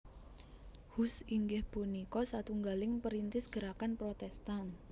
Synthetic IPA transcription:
husiŋɡɪhb̥unikɔsat̪uŋɡalɪŋpəɾint̪ɪsɡ̥əɾakanpɾot̪ɛst̪an

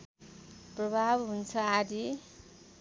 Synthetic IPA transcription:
prʌbʱabɦunt͡sʰʌadi

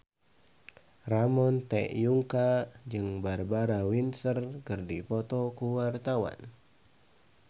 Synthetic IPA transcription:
ramɔnt̪ɛ̰ʔjuŋkad͡ʒɨŋbarbaɾawinsərkɨrdipɔt̪ɔkuwart̪awa̰n

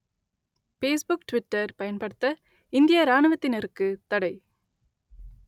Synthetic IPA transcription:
peːsbʊkʈʋɪʈːɐɾpɐjɐnpɐɽɯt̪ːɐ | ɪnd̪ɪjɐɾaːɳɯʋɐt̪ːɪnɛɾɯkːɯt̪ɐɽɐɪ

